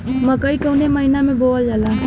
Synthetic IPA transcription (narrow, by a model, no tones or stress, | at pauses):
məkəikəwneməɦinamẽbold͡ʒala